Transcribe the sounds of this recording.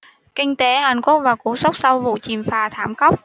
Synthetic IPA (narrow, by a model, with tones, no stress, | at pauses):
kï˧ŋ̟t̪e˨˦ha˨˩jŋku˦˥k̚vaː˨˩wku˧˦sə˦˥wk͡p̚sa˧wvṵ˧˨t͡ɕi˨˩mfaː˨˩t̪ʰaː˧˩mxə˦˥wk͡p̚